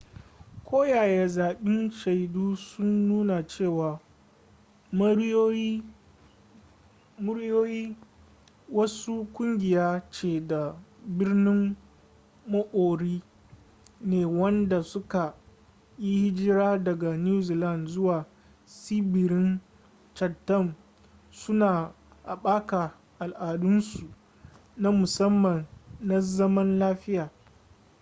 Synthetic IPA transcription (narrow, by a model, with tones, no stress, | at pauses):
kʷʰoː˦jaː˨jeː˦zaː˨ɓɪ˦nʃa˨jduː˦sʊ˦nːuː˦na˨t͡ʃeː˦˨waː˨ | m˦o˦i˦ | mʊ˦ɾjoː˦jiː˦ | wɐ˦su˦kʷʊ˦ŋɡʲɪ˨jaː˦t͡ʃeː˨da˨bɪ˦rnɪ˦mː | ɐ˦ʔoː˨ɽiː˦ | neː˨wɐ˦nda˨sʊ˦ka˨ | ji˦hɪ˦d͡ʒɪ˦ɾaː˦dɐ˨ɡa˨njuː˦zi˨lɐ˦˨nzʊ˦waː˨ | siː˦bɪ˨ɾɪ˦n | t͡ʃɐ˨tːɐ˦˨m | sʊ˦naː˨ | ʔa˨ɓaː˦ka˨ | ʔa˨lʔaː˨dʊ˦nsu˨ | na˦mʊ˨sɐ˦mːɐ˨nːa˦zɐ˦mɐ˦nlaː˦ɸɪ˦jaː˨